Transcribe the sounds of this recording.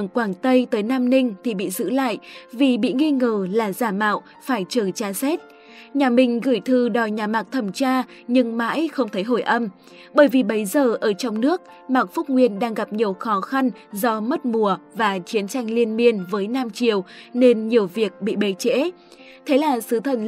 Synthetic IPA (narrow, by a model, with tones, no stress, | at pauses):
ŋkwaː˧˩ŋt̪ə˧jt̪əː˨˦jnaː˧mnï˧ŋ̟t̪ʰi˨˩ɓḭ˧˨zɨ̰˧˥la̰ː˧˨jʔvi˨˩ɓḭ˧˨ŋi˧ŋəː˨˩laː˨˩zaː˧˩ma̰ː˧˨w | faː˧˩jt͡ɕəː˧˩t͡ɕaː˧sɛ˦˥t̚ | ɲaː˨˩mï˨˩ŋ̟ɣɨ˧˩jt̪ʰɨ˧˩ɗɔ˨˩jɲaː˨˩maː˨˩k̚t̪ʰə˧˩mt͡ɕaː˧ | ɲɨ˧ŋma̰ː˧˥jxə˧wŋ͡mt̪ʰə˨˦jɦo˧˩jʔə˧m | ɓəː˧˩jvi˨˩ɓə˨˦jzəː˨˩ʔəː˧˩t͡ɕɔ˧wŋ͡mnɨ˦˥ək̚ | maː˨˩k̚fʊ˦˥k͡p̚ŋwi˧ənɗaː˧ŋɣa˨˩p̚ɲi˨˩əwxɔ˨˦xa˧nzɔ˧mə˦˥t̚mu˨˩əvaː˨˩t͡ɕi˨˦ənt͡ɕa˧jŋ̟li˧ənmi˧ənvəː˨˦jnaː˧mt͡ɕi˨˩əwne˧nɲi˨˩əwvi˨˩ək̚ɓḭ˧˨ɓe˨˦t͡ɕḛ˧˥ | t̪ʰe˨˦laː˨˩sɨ˨˦t̪ʰə˧˩n